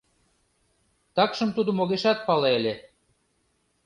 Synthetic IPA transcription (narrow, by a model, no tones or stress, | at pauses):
t̪ɑkʃɤ̆mt̪ud̪ŏmoɣeʃɑt̪̚pɑleelʲe